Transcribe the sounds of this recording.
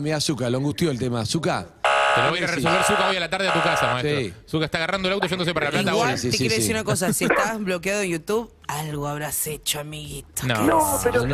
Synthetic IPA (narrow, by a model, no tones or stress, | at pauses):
miasukaloãŋɡuht̪joelt̪e̞masuka̰ | kenojɾaresolβeɾsukaojalat̪aɾðeat̪ukasamaest̪iɾosukaest̪aɣarand̪oelawt̪ofwend̪osepaɾalalat̪aɣwassiesijeesiɾunakos̬asiest̪azβlo̞kjaðoenjut̪uβ | alɣoaβɾaset͡ʃoamiɣit̪o̥no̰opeɾn